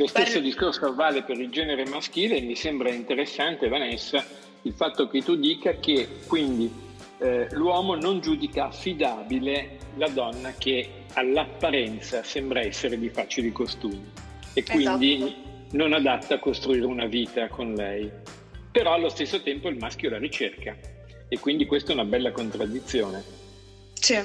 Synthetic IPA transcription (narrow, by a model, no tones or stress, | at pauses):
lost̪esːod̪iskorsoavaːlepeɾild͡ʒɛːneɾemask̟iːlemisembɾaint̪eɾesːant̪evanɛsa | ilfat̪ːok̟et̪ːud̪iːkak̟ekwind̪i | lwɔːmonond͡ʒuːd̪ikaːfːid̪aːbilelad̪ɔnːak̟e | alːapːaɾɛnt̪sasɛmbɾaɛsːeɾed̪ifaːt͡ʃilikost̪uːmi | ekwind̪i | nonad̪at̪ːaːkːost̪ɾuiːɾeunaviːt̪akonlɛj | peɾɔalːost̪esːot̪ɛmpoilmask̟jolaɾit͡ʃerka | ekːwind̪ikwest̪aɛunabɛlːakont̪ɾad̪ːit̪sːjoːne